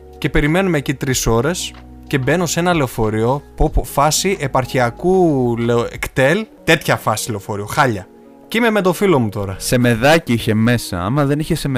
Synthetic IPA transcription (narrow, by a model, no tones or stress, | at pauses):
ce̞pe̞ɾime̞numeːcit̪ɾiso̞ɾe̞s | ce̞be̞no̞se̞nɐle̞ofo̞ɾio̞popofɐsiʔe̞pɐɾçiɐkuleoekt̪e̞lt̪e̞t̪çɐfɐsile̞o̞fo̞ɾioxɐʎɐ | cime̞met̪o̞filo̞mut̪o̞ɾɐse̞me̞ðɐciiçe̞me̞sɐ̰ɐ̰mɐðe̞niçesem